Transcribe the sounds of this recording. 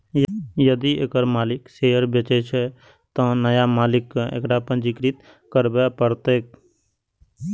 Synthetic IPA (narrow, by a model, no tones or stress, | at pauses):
jəd̪iekəɾmaːlɪkseːəɾbjət͡ʃet͡ʃʰɛ | t̪ə̃nəjamaːlɪkːḛkɖapə̃nd͡ʒikɾɪt̪ | kəɾbeapəɾt̪eːk